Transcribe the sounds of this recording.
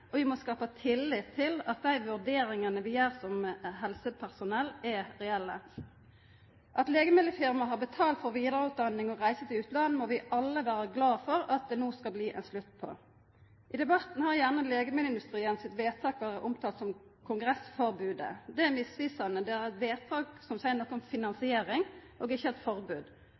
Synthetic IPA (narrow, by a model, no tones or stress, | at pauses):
ɔʋɪmɔskɑːpət̪ʰɪlːɪt̪ʰːɪlɑt̪̚d̪æɪʋʉʁd̪eːɾɪŋənəʋɪjøːʁsɔmɦɛlsəpʰæʁsʊnɛlːɛʁɛɛlːə | ʔɑt̪leːɡəmɪd̪əfɪʁmɑɦɑʁbət̪ʰɑːlt̪fɔʁʋiːd̪əʁəʉːt̪̚d̪ɑnːɪŋɔʁæɪsət̪ɪʉːt̪lɑnːmɔʋɪʔɑlːəʋæːʁəɡlɑːfɔɾɑt̪̚d̪ɛnuːskɑlbliːʔɛ̰nslʉt̪ːpʰɔ̰ | ʔɪd̪ɛbɑt̪n̩hɑʁjæʁnəleːɡəmɪlɪnd̪ʉst̪ʁiːənsɪt̪ʋeːt̪ʰɑːkʋæːʁəʔɔmt̪ʰɑːt̪sɔmkʰʊŋɡʁɛsfɔʁbʉːd̪ə̰d̪ɛæmɪsʋiːsɑnəd̪ɛæʁɛt̪ʋeːt̪ʰɑːksɔmsæɪəʁnɔkːʊmfɪnɑnsɪeːɾɪŋʔoːɡɪçːəɛt̪fɔʁbʉːd̪